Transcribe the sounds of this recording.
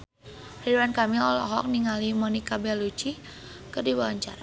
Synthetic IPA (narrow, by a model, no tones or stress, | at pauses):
riduankamiɔlɔ̰ɦɔk̚niŋalimɔnikabɛlut͡ʃi | kɨrdibawaɲt͡ʃaɾa